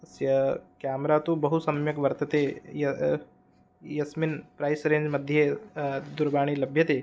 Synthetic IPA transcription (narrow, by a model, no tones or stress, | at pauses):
sjəkamɾat̪uːbəɦusɐmjɐkʋəɾt̪ət̪ejɐ | jɐsminpɾajsɾeːɲd͡ʒməd̪ʱjed̪uɾbaːɽ̃iːlɐbʱjət̪e